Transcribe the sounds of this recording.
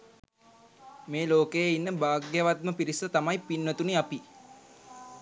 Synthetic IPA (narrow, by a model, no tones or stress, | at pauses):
meːloːkejeinːəbaːɡjəʋat̪̚məpiɾisət̪amajpinʋət̪uniapi